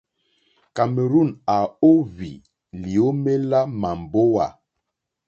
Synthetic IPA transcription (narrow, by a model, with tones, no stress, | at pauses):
ka˨me˨ɾu˦˨na˨o˦vi˨ | li˨o˦me˦la˦ma˨m˨bo˦wa˨